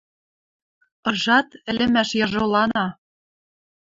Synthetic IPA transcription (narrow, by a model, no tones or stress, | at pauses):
ɤ̆ʒɑt̪ɘ̆lɘ̆mæʃjɑʒolɑnɑ